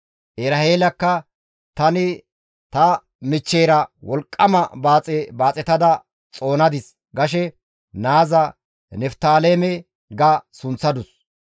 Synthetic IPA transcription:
ʔɛɾɐheːlɐkːɐ | t̪ɐnɪ | t̪ɐ | mɪt͡ʃːeːɾɐwɔlkʼːɐmɐbaːt͡sʼɛbaːt͡sʼɛt̪ɐd̪ɐ | t͡sʼo̞ːnɐd̪ɪs | ɡɐʃɛ | naːzɐ | nɛft̪aːlemɛ | ɡɐsʊnt͡sːɐd̪ʊs

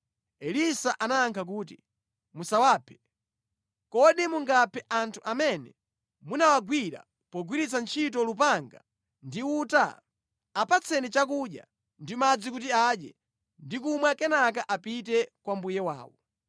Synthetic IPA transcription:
ɛlisaʔanaːŋkʰak̬uːtḭ | musawaːpʰɛ̥ | kɔɗimuŋɡapʰɛʔantʰuʔamɛnɛ̰ | munawaɡwiɾa̰ | pɔɡwiɾit͡sant͡ʃʰitɔlup̬aŋɡa̰ | ndiuta̰ː | pʰat͡sʰɛnit͡ʃak̬uɗja̰ | ndimad͡zikut̬iaɗɛ | ndik̬umwɛkɛnak̬aʔapit̬ɛkwambujɛwa̰ːwɔ

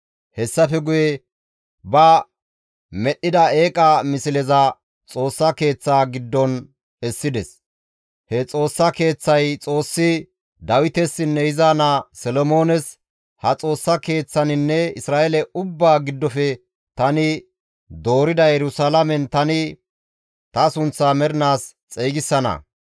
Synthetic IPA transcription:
hɛsːɐfɛɡʊjɛ | bɐ | mɛɗːɪd̪ɐeːkʼɐmɪsɪlɛzɐ | t͡sʼo̞ːsːɐke̞ːt͡sːaːɡɪd̪ːɔn | ɛsːɪd̪ɛs | hɛt͡sʼo̞ːsːɐke̞ːt͡sːɐjt͡sʼo̞ːsːɪ | d̪ɐwɪt̪ɛsːɪnːɛjɪzaːnɐsɛlɔmo̞ːnɛs | hɐt͡sʼo̞ːsːɐke̞ːt͡sːɐnɪnːɛɪsɾaːʔɛlɛʊbːaːɡɪd̪ːɔfɛ | t̪ɐnɪ | d̪o̞ːɾɪd̪ɐjɛɾʊsalɐmɛnt̪ɐnɪ | t̪ɐsʊnt͡sːamɛɾɪnaːs | t͡sʼeːɡɪsːɐnɐ̰

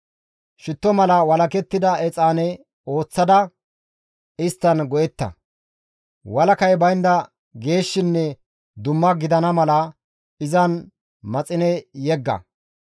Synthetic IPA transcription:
ʃɪt̪ːɔmɐlɐwɐlɐkɛt̪ːɪd̪ɐʔɛt͡sʼaːnɛ | o̞ːt͡sːɐd̪ɐ | ɪst̪ːɐnɡɔʔɛt̪ːɐ̰ | wɐlɐkɐjbɐjnd̪ɐ | ɡe̞ːʃːɪnːɛ | d̪ʊmːɐɡɪd̪ɐnɐmɐlɐ | ɪzɐn | mɐt͡sʼɪnɛjɛɡːɐ̰

